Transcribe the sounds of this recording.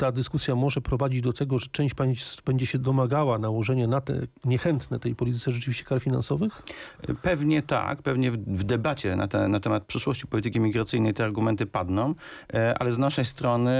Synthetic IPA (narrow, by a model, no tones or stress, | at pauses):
t̪ad̪ɘskusʲjamɔʐɛpɾɔvad͡ʑid͡ʑd̪ɔt̪ɛɡɔʐɛt͡ʂɛ̃w̃ɕt͡ɕpaj̃sbɛɲd͡ʑɛɕɛd̪ɔmaɡawanawɔʐɛɲanat̪ɛ̰ɲɛxɛnt̪nɛt̪ɛjpɔlʲit̪ɘt̪sɛʐɛt͡ʂɘvʲiɕt͡ɕɛkaɾfʲina̰nsɔvɘxpɛvɲɛt̪a̰kpɛvɲɛvd̪ɛbat͡ɕɛna̰t̪ɛnat̪ɛmat̪̚pʂɘʂwɔɕt͡ɕi̥pɔlʲit̪ɘkʲimʲiɡɾat̪sɘjnɛjt̪ɛaɾɡumɛnt̪ɘpad̪nɔ̃w̃ʔa̰lɛznaʂɛjst̪ɾɔnɘ